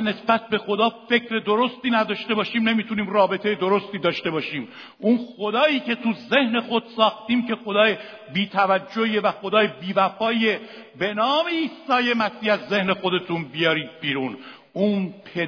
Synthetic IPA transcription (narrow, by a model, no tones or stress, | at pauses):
ne̞sbæt̪̚be̞xo̞d̪ɒːfe̞kʰɾe̞d̪oɾo̞st̪iːnæd̪ɒːʃt̪e̞bɒːʃiːmne̞miːt̪ʰuniːmrɒːbe̞t̪ʰe̞jed̪o̞ɾo̞st̪iːd̪ɒːʃt̪e̞bɒːʃiːm | ʔunxo̞d̪ɒːiːce̞t̪ʰuze̞hne̞xo̞d̪̥sɒːxt̪iːmcʰe̞xod̪ɒːje | biːt̪ʰævæd͡ʒːoievæxo̞d̪ɒːjebiːvæfɒːie | be̞nɒːme̞iːsɒːje̞mæsiːæzːe̞hne̞xo̞d̪e̞t̪ʰunbijɒːɾiːd̪̚biːɾun | unpʰe